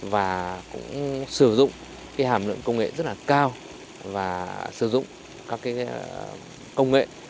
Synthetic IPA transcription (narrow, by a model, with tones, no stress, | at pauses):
vaː˨˩kʊ̰˧˥ŋ͡msɨ˧˩zʊ̰˧˨ŋ͡m | kaː˨˦jɦaː˧˩mlɨ̰˧˨əŋkə˧wŋ͡mŋḛ˧˨zə˦˥t̚laː˨˩kaː˧w | vaː˨˩sɨ˧˩zʊ̰˧˨ŋ͡m | kaɔː˨˦kːaː˨˦j | kə˧wŋ͡mŋḛ˧˨